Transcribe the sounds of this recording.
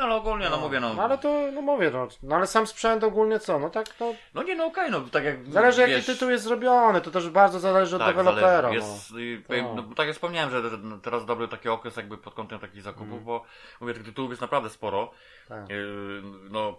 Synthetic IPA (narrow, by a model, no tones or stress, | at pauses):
alɛɔɡulɲɛnɔmuvʲjɛnɔnalɛt̪ɔnɔmuvʲjɛnɔnalɛsamspʂɛnt̪ɔɡulɲɛt̪sɔnɔt̪aknɔnɔɲɛnɔːkɛjnɔt̪akʲjakzalɛʐɨjakiɘt̪uwjɛst̪zɾɔbʲjɔnɘt̪ɔt̪ɛʐbaɾd̪zɔzalɛʐɨɔd̪d̪ɛvɛlɔpɛɾajɛp̪ɔvjɛmnɔbt̪akjakfspɔmɲawɛmʐɛʐɛt̪ɛɾazd̪ɔbɾɘt̪akʲiɔkɾɛsjaɡ̚bɘpɔt̪̚kɔnt̪ɛmt̪akʲiɣzakupuvbɔ | muvjɛt̪ɪt̪ɨ̥t̪uwufjɛst̪napɾavd̪ɛspɔɾɔ | t̪a | nɔ